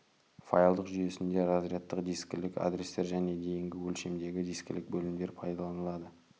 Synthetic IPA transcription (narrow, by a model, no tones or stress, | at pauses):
fajalˠd̪əqʒʏje̞sɪnd̪e̞ɾɑzrjɑt̪ːəqd̪iskʲɪlɪka̰d̪ɾest̪e̞ɾʒæne̞d̪e̞jɪŋɡʲɪwɵlʃe̞md̪e̞ɡʲɪd̪iskʲɪ̰lɪk̚bɵlɪmd̪e̞ɾpʰɑjd̪ɑlˠɑnəlˠɑd̪ə